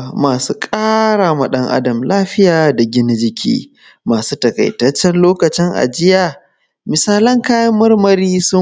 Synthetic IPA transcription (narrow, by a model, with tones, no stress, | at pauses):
maː˨suː˦kʼaː˦ɽaː˨mɐ˨ɗɐ˦ŋʔa̰˦dɐ˨mlaː˦ɸɪ˦jaː˨da˨ɡʲɪ˦nɪ˦d͡ʒɪ˦kʲʰḭː˦ | maː˨suː˦tɐ˨kɐ̰˨jtɐ˦t͡ʃːɛ˦nloː˦kɐ˨t͡ʃɪ˦ŋʔa̰˨d͡ʒɪ˦jaː˨ | mɪ˨saː˦lɐ˦ŋkaː˦jɐ˦mːɐ˦rmɐ˨ɾiː˦sʊ˦